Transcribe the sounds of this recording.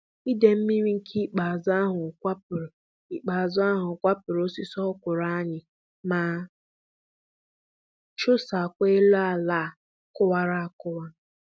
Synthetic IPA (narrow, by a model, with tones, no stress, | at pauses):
i˦de˨m̩˦mi˦mi˦ŋ̩˦kʰi˦k͡pa˨za˦ɦʊ˨kʷa˦p̚ʊ˨ɾe˨ | i˦k͡pa˨zʊ˦a˦ɦʊ˨kʷa˦pʊ˨ɾo˦si˦sɔ˦kʷʊ˨ɾa˦a˦ɲɪ˨ | ma˨ | t͡ʃʊ˦sa˨kʷe˦e˦la˨la˦˨ | kʊ˦wa˦ɾa˦a˨kʊ˦wa˦